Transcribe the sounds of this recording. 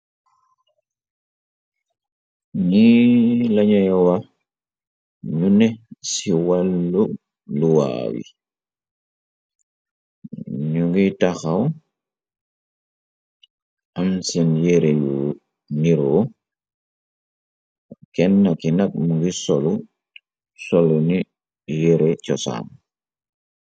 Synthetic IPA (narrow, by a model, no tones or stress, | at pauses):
nilaɲajɔwa | ɲunɛsiwalːu | luwa̰wḭ | ɲuŋɡitaxaw | amsinjeɾeju | niɾo | kɛnːakinak̚muŋɡisolu | soluni | jeɾet͡ʃɔsa̰ːm